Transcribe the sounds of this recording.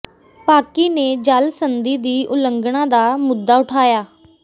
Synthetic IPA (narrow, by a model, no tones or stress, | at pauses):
paːkiːneːd͡ʒəlsənd̪iːd̪iːʔʊləŋɡɳãːd̪aːmʊd̪ːaːʊʈʰaːjaː